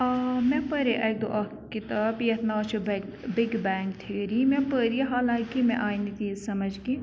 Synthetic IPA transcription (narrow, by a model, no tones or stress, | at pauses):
mɛ̃pəɾeʔɐk̚d̪o̰ʔɐ | kɪt̪aːbjɐt̪naːt͡ʃʰubbɪɡbɛːŋk̚t̪ʰeːɾimɛ̃pəɾiɦaːlaːkimɛ̰̃ʔaːinit̪iːzsɐməd͡ʒɡi